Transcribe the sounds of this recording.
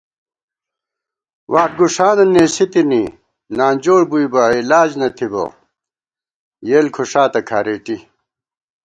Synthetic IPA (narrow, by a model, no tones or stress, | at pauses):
waːʈ̚ɡuʂaːnɐnːeːsit̪ini | naːnd͡ʑoːɽbuibɐilaːd͡ʑnɐt̪ʰibo̰ | jeːlkʰoʂaːt̪ɐkʰaːɾeːʈi